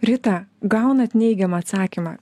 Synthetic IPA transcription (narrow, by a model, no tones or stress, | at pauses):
ɾʲɪt̪ɐɡɑʊnɐt̪ʲnʲɛɪɡʲɛmɐːt̪sɑːkʲimɑː